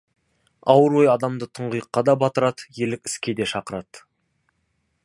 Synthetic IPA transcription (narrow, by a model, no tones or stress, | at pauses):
ɑwəɾwojɑd̪ɑmd̪ət̪ʰəɴʁəjəqːɑd̪ɑbɑt̪əɾɑt̪jelɪkʲɪ̥skʲe̞d̪e̞ʃɑqəɾɑt̪